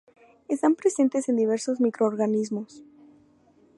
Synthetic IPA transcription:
e̞st̪ampɾe̞se̞nt̪e̞se̞nd̪iβ̞e̞ɾso̞zmikɾo̞ːɾɣanizmo̞s

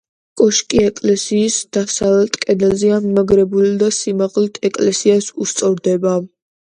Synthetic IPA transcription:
kʼɔʃkʼiɛkʼlɛsiːsd̪̥asaɛlt̪ʼkʼɛnɛlzɛamimaɡɾɛbuld̪asimaʁlit̪ʰɛkʼlɛsiasust̪sʼɔɾd̪ɛba

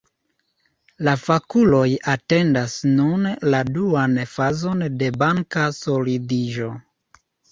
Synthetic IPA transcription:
lafakulo̞jate̞ndasnunladuanfazo̞nde̞baŋkaso̞lidiʒo̞

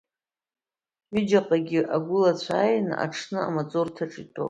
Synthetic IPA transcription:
id͡ʒaqʼaɡʲiʔaɡʷʊlat͡sʷʰaːjna̰ʈ͡ʂʰnɨa̰mat͡sʼortʰaʈ͡ʂʼitʼo̰

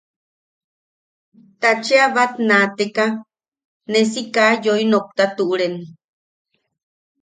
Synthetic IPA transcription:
t̪at͡ʃeaβat̪nat̪eka | nes̬ikajoinok̚t̪at̪uʔɾeni

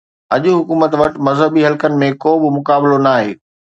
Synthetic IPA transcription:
ɐʄʊɦʊkuːmət̪ʋɐʈmɐzɦəbiɦɐlkənɪ̆mẽkoːbɪmʊkaːbɪlonaːɦeː

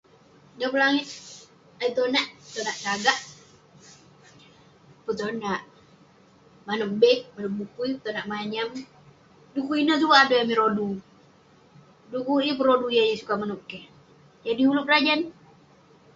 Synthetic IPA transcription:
ɡapəlaŋɪt̪̚ | ait̪onaʔpt̪onaʔt͡ʃaɡah | pət̪onaʔ | manup̚bɛk̚manəp̚bukujpət̪onaʔmaɲam | dukuinət̪ukaːdojamiɾodu | dukuip̬əɾodujajəsukamanup̚kɛ | d͡ʒadihulʊk̚rad͡ʒan

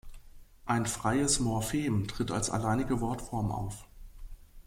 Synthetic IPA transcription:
ʔaɪnfʁ̥aɪəsmɔɐfeːmtʁ̥ɪta̰lsa̰laɪnɪɡəvɔɐtfɔɐmʔa̰ʊf

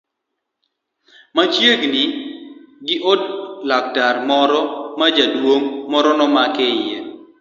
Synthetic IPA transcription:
mat͡ʃjeɡnɪ | ɡɪʔodlak̚taɾmɔɾɔmad͡ʒadwoŋmɔɾɔnɔmakɛɪje

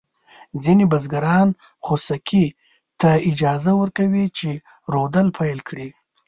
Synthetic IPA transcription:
d͡zinibazɡaɾɑn | xosakʰi | t̪aɪd͡ʒɑzawəɾkawit͡ʃe | ɾod̪əlpʰajlkʰɽi

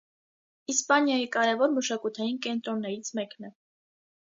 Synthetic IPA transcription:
ispɑnjɑjikɑɾɛvɔɾməʃɑkut̪ʰɑjinkɛnt̪ɾɔnːɛɾit͡sʰmɛknɛ

